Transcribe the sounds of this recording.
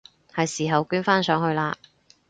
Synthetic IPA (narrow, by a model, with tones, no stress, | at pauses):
hɐ˨jsiː˨˩ɦɐ˨wkyː˥nfaː˥nsœː˨˥ŋhɵ˧ɥlaː˧